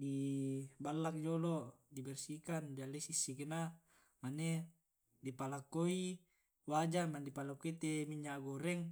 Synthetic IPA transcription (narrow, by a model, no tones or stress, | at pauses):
dibalːak̚d͡ʒolodibɛrsikandialːesisːikena | mane | dipalakːoi | wad͡ʒamandipalakːoit̪emiɲːaɡoɾɛŋ